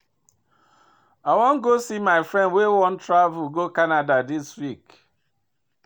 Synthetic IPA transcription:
awɔŋ̩ɡosimaɪfɾɛ̃ndwewɔ̃n̩tɾavʊlɡokanadadiswik

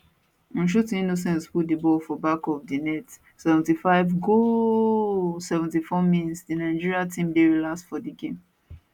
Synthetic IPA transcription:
ɔ̃nʃ̬utinos̬ɛ̃nsput̚dibɔlfɔbakɔfdinɛt | sɛvɛ̃ntifaɪvɡo | sɛvɛ̃ntifɔmĩnsdinaɪd͡ʒiɹiatʰĩmdewilastfɔdiɡẽm

